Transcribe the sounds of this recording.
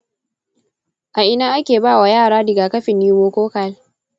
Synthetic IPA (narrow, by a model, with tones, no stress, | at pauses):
ʔa˨ʔɪ˦naː˦ʔa˦kʲeː˨baː˦˨wa˨jaː˦˨ɽaː˦dɪ˨ɡaː˨kɐ˦ɸɪ˨nːiː˦moː˦koː˦ka˦l